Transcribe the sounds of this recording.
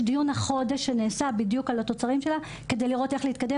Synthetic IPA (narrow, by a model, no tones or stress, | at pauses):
dijunhaχo̞de̞ʃeneːsabid̪jukalato̞t͡saʁimʃe̞la | ke̞d̪ejliʁo̞te̞χleit̪̚kade